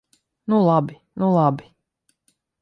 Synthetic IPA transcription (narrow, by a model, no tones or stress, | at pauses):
nulˠabi | nulˠabi